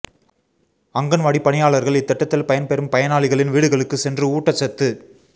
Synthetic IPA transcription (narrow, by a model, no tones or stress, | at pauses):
ɐŋɡɐnʋɐɽipɐɳɪjaːɭɐɾɣɐɭɪt̪ːɛʈːɐt̪ːɪlpɐjɐnpɛɾɯmpɐjɐnaːɭɪɣɐɭɪnʋiːɽɯɣɐɭɯkːɯsɛndrɯuːʈːɐt͡ʃːɐt̪ːɯ